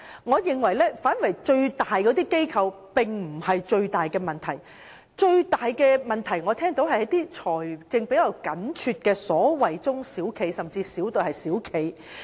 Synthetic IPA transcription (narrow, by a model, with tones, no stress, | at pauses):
ŋɔː˨˧jɪ˨ŋwɐ˨˩jlɛː˥faː˨˥nwɐ˨˩jt͡ʃɵ˧ɥt̪aː˨jkɔː˨˥t̪iː˥ke˥jkʰɐ˨˧w | pɪ˨ŋm̩˨˩hɐ˨jt͡ʃɵ˧ɥt̪aː˨jkɛː˧mɐ˨nt̪ʰɐ˨˩j | t͡ʃɵ˧ɥt̪aː˨jkɛː˧mɐ˨˩nt̪ʰɐ˨˩jŋɔː˨˧t̪ʰɛː˥ŋt̪o˨˥whɐ˨hɐ˨˧˥t̪iː˥t͡sʰɔː˨˩jt͡sɪ˧ŋpe˨˥jɐ˨˧wkɐ˨˥nt͡ʃʰyː˧t̚kɛː˧sɔː˨˥wɐ˨jt͡sʊ˥ŋsiː˨˥wkʰe˨˧jsɐ˨mt͡siː˧siː˨˥wt̪o˨˩hɐ˨jsiː˨˥wkʰe˨˧j